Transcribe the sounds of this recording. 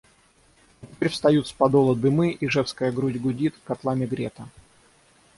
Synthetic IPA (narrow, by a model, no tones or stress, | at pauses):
ɪtʲɪpʲeɾʲfst̪ɐjut̪spɐd̪olˠəd̪ɨmɨʔiʐɛfskəjəɡɾudʲɡʊdʲit̪kɐt̪lˠamʲɪɡɾʲet̪ə